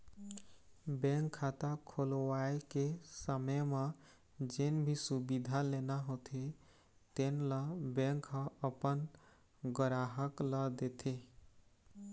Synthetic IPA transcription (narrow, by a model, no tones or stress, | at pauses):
bẽŋkʰːat̪akʰolwaekesəməjme | d͡ʒenbʱisubid̪ʱalenaɦot̪ʰi | t̪enləbẽŋkɦə̃əpən | ɡəɾaɦəkləd̪et̪ʰi